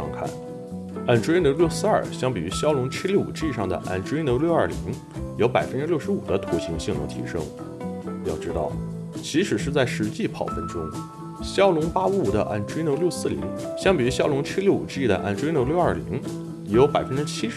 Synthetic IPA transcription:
ɑ̰˥˧ŋkʰa̰˥˩n | a˥˩nʈ͡ʂwno˧˥ʊljo˥˧ʊsɹ̩˥˧ɐ˞˥˩ɕjɑ˥ŋpi˨˩y˧˥ɕjɑ˥ʊlʊ˧˥ŋt͡ɕʰi˥ljo˥˩ʊṵ˨˩ʈ͡ʂi˥˧ʂɑ˥˩ŋd̪ə̰˩ʔa̰˥˩nʈ͡ʂwno˧˥ljo˥˧ʊɐ˞˥˩lḭ˧˥ŋ | jo˧˥ʊpa˨˩ɪfə˦˥nʈ͡ʂɻ̩˥ljʊʂɻ̩˧˥ṵ˨˩d̪ə˦t̪ʰu˧˥ɕi˧˥ŋɕi˥˩ŋnʊ̰˧˥ŋt̪ʰḭ˧˥ʂɤ̰˥ŋ | jɑ˥˧ʊʈ͡ʂɻ̩˧˥t̪ɑ̰˥˩ʊ | t͡ɕʰi˧˥ʂɻ̩˨˩ʂɻ̩˥˧t͡sa˥˩ɪʂɻ̩˧˥t͡ɕi˥˩pʰɑ̰˨˩ʊfə˧˥nʈ͡ʂʊ˥ŋ | ɕjɑ˥ʊlʊ˧˥ŋpa˥u˥˩d̪ə̰˦ʔa̰˥˩nʈ͡ʂwnjo˧˥ʊljo˥˧ʊsɹ̩˥˩lḭ˧˥ŋ | ɕjɑ˥ŋpi˨˩y˧˥ɕjɑ˥ʊlʊ˧˥ŋt͡ɕʰi˥ljo˥˩ʊṵ˨˩ʈ͡ʂi˥˩d̪ə̰˩ʔa̰˥˩nʈ͡ʂwe˥no˧˥ljo˥˧ʊɐ˞˥˩li˧˥ŋ˩ | jo˧˥ʊpa˨˩ɪfə˥nʈ͡ʂɻ̩˥t͡ɕʰi˥ʂ

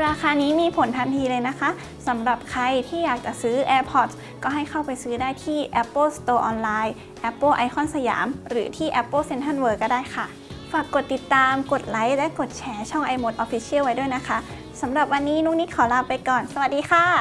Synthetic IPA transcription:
ɾaː˧xʰaː˧niː˦˥miː˧pʰo˩˦nt̪ʰa˧nt̪ʰiː˧lɤː˧jna˦˥kʰa˦˥ʔ | sa˩˦mɾa˨˩p̚kʰa˧jt̪ʰiː˥˩jaː˨˩k̚t͡ɕa˨˩sɯː˦˥ʔɛː˧pʰɔ˧˩t̪̚ | kɔː˥˩ɦa˥˩jkʰa˥˩wpa˧jsɯː˦˥daː˥˩jt̪ʰiː˥˩ʔɛ˦˥pːɤː˥˩˨st̪oː˧ʔɔː˧nlaː˧j | ʔɛ˦˥pːɤː˥˩ʔa˧jxʰɔ˥˩˨nsa˧ja̰ː˩˦mɾɯː˩˦t̪ʰiː˥˩ʔɛ˦˥pːɤ˥˩se˧nt̪ʰa˧˥˩nwɤː˧˩kːɔː˥˩daː˥˩jxʰa˥˩ | faː˨˩kːo˨˩t̪ːi˨˩t̪ːaː˧mko˨˩t̪̚la˨˦jlɛ˦˥ko˨˩t̪̚t͡ɕʰɛː˨˧˥t͡ɕʰɔ˥˩ŋʔa˧jmo˧˩t̪̚ʔɔː˧fi˧˥sʰi˦˥ə˨wa˦˥jduː˥˩˨jna˦˥kʰa˦˥ʔ | sa˩˦mɾa˨˩p̚wa˧nːiː˦˥nuː˥˩ŋ̚niː˦˥kʰɔː˨˩˦la˧pːa˧jkɔː˨˩nsa˧wa˨˩t̪̚diː˧xʰaː˥˩

